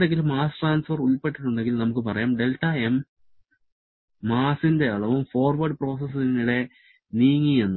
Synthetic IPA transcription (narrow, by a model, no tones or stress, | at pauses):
ɖeŋɡilumːaːsʈraːnsfɐruɭpe̞ʈːiʈːuɳɖe̞ŋɡilnɐmukːɨpɐrɐjaːmɖe̞ltːaem | aːsinde̞ɐɭɐʋumfo̞ːrʋɐrɖpro̞ːs̬es̬iniɽe̞ | niːŋːienːu